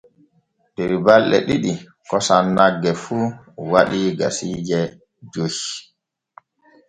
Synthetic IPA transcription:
dɛɾibalɗɛ̰ɗiɗi | kɔsanːaɡːɛfu | waɗiɡa̰siːd͡ʒɛ | d͡ʒoj

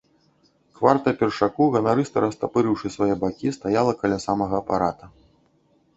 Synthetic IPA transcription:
kvart̪ɐpʲɛrʂakuɣɐnaɾɨst̪ɐɾɐst̪apɨɾɨwʂɨsvajɛbakʲist̪ajalˠɐkɐlʲasamɐɣɐːpa̰ɾat̪ɐ

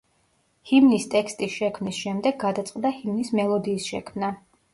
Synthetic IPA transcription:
himnist̪ʼɛkst̪ʼisʃɛkʰmnisʃɛmd̪ɛɡːad̪at̪sʼqʼd̪ahimnismɛlˠɔd̪iːsʃɛkʰmna

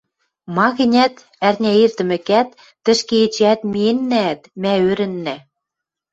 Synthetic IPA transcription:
mɑɣɘ̆nʲæt̪ | ærnʲæirt̪ɘ̆mɘ̆kæt̪ː | ɘ̆ʃkeet͡ɕæt̪mienːæːt̪mæøɾɘ̆nːæ

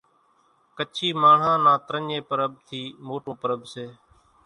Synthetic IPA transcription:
kət͡ʃʰiːmaːɳ̤ãːnãːt̪ɾəɲeːpəɾəb̚t̪ʰiːmoːʈõːpəɾəbseː

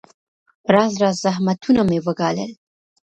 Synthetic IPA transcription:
ɾɑzɾɑzzaɦmat̪unamewəɡɑlə̰l

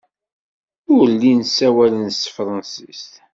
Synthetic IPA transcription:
ʊɾlːinsæwælənst̪fɾˤɑnsist̪

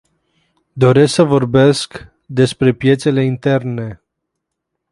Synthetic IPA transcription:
d̪o̞ɾe̞sksəvo̞rbe̞sk | d̪e̞spɾe̞pje̞t̪se̞le̞int̪e̞rne̞

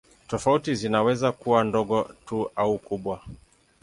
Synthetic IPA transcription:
tɔfautizinawɛzakuwandɔɠɔtuaukuɓwa

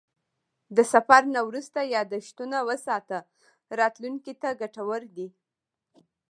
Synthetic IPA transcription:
d̪əsafaɾnawɾust̪ajɑd̪aʃt̪unawəsɑt̪a | ɾɑt̪luŋkit̪aɡaʈawəɾd̪i

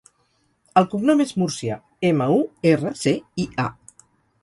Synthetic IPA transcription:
əlˠkuɡnɔmezmuɾsja̰ | eməuerəseia̰

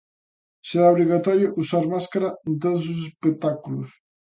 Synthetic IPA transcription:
seɾawβɾiɣat̪ɔɾjoʔusaɾmaskaɾant̪̬ot̪zusespek̚t̪akulus

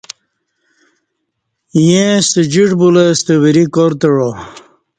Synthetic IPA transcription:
jẽst̪əd͡ʑiʈbulest̪əwiɾikoɾt̪əɻo

